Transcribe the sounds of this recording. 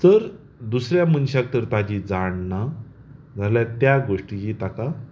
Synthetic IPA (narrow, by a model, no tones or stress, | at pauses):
t̪əɾ | d̪usɾjamənɕãk̚t̪əɾt̪ad͡ʑid͡zaɳːa | d͡zʱalat̪jaɡoʂʈijit̪aka